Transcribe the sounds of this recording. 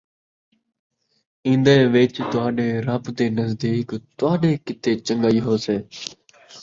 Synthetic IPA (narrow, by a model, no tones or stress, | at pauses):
ĩːnd̪əeːʋɪt͡ʃt̪ʊaːɗeːɾabt̪eːnəzd̪iːkt̪ʊʋaːɗeːkɪt̪ʰeːt͡ʃəŋɡaːiːɦoːseː